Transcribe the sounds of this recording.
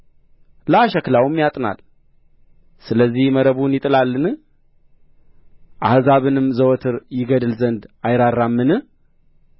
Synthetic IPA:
ləaʃəklawmjat̪ʼna̰l | sɨləzːihməɾəβunjɪt̪ʼɨlalːɨnɨ | ʔa̰hzaβɨnɨmzəwɔt̪ʰɨɾjɪɡəd̪ɨlzənd̪ajɾaɾːamːɨnɨ

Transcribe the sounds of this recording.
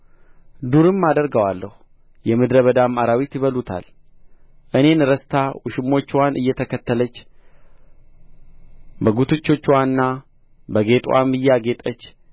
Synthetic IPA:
d̪uɾɨmːad̪əɾɡəwalːəhu | jɛmɨd̪ɾəβəd̪amaɾawit̪jɪβəlut̪ʰa̰l | ʔɨne̞nɨɾəst̪ʰawʊʃɪmːo̞t͡ʃːwanʔɨjːɛt̪ʰəkʰət̪ːələt͡ʃː | bəɡut̪ʰɨt͡ʃːo̞t͡ʃːwannːa | bəɡe̞t̪ʼwʔa̰mːɨjːaɡe̞t̪ʼət͡ʃː

